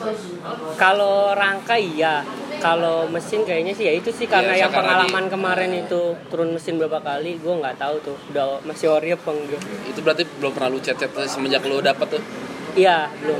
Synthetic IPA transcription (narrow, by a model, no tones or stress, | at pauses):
kaloɾaŋkaijakaloməsɪnkajaɲasɪhjait̪usɪhkarənajaŋpəŋalammankəmaɾɛnit̪ut̪uɾʊnməsɪnbəɾapakaliɡuaŋɡaʔt̪aut̪ʊhudamasɪoɾiəpəŋduait̪ubəɾart̪ibəlompərnalut͡ʃɛt̪̚t͡ʃɛt̪̚səməd͡ʒakludapət̪ːʊhijalo